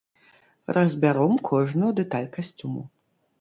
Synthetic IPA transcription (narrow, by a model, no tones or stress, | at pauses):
rʔɐzʲbʲaɾɔmkʰɔʐnɐwd̪ɛt̪alʲkasʲt͡sʲumṵ